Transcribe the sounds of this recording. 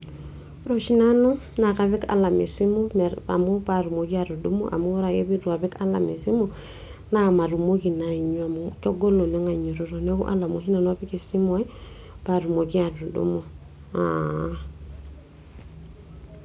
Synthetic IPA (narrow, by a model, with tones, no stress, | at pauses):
ɾo˨ʃi˦na˦nu˦ | na˨ka˨βi˦ka̰˨la˨mḛ˨si˦mo˦me˨ɾa̰˨mu˦pa˨ɾu˨mo˨ki˦a˨ɾu˨dṵ˦mo̰˦ʔa̰˨mu˦ɾa˨je˦bi˦ɾu˨a˨bi˦ka˦la̰˨me˨si˦mo˦ | na˦ma˨ɾu˨mo˦ki˨na˨i˨ɲo˦a˨muko˦ɡo˦lo˨ne˦ŋa˨ɲo˨ɾo˨ɾo˨ne˦kṵ˦ʔa̰˦la˨mo˨ɦi˦na˨n˦a˦pi˦ke˨si˦mo˦i˦ | b̥a˨ɾu˨mo˨ki˦a˨du˨dṵ˦mo˨ | a̰˨